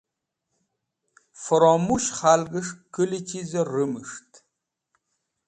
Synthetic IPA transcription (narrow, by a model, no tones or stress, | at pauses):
fɔɾɔmuʃχalɡɨʂkɨlit͡ʃʰizɐrɨmɨʂt̪ʰ